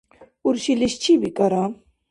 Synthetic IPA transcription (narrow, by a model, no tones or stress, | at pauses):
uɾɕiliɕt͡ɕʰibikɐɾã